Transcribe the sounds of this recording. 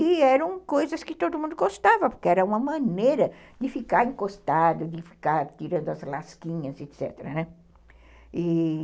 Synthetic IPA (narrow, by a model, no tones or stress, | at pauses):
ɪɛɾɐ̃w̃kojzɐskɪt̪od̪ʊmũd̪ʊɡost̪avɐpoɾkɪɛɾɐũmɐmɐ̃nejɾɐ | d̪ɪfikaɾẽŋkost̪ad̪ʊd̪ɪfi̥kaɾt̪iɾɐ̃nd̪ʊɐzlaskĩɲɐzet̪sɛ̰t̪eɾɐ̰nɛ | ɪ